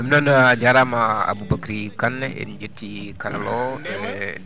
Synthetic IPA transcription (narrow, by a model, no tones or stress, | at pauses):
amənanad͡ʒaɾamaa̰bubakɾikanːɛḭnd͡ʒət̪ikaɾlɔ